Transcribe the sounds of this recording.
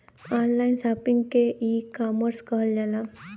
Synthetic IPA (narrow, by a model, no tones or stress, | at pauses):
aːnlaːɪnsaːpɪ̃ŋɡkeikaːməɾskəɦəld͡ʒaːla